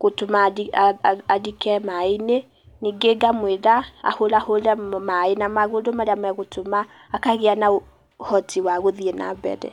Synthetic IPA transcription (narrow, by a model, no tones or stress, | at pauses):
ɣotomadiaadikɛmaine | niŋɡeɡamweðaa̰hoɾaholɛmaenamaɣodomaɾeamɛɣotʰomaː | kaɣeanao | hɔtʰiwaɣoðiena̰bɛ̰ðɛ̰